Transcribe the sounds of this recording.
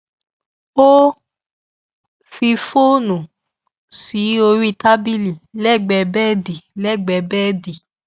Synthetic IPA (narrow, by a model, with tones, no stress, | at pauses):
o˦ | fi˧fo˦nũ˨ | si˨˦o˧ɾi˦˧ta˦bi˦li˨lɛ˦˨ɡ͡bɛ˧bɛ˦˨di˨lɛ˦˨ɡ͡bɛ˧˨bɛ˦˨di˨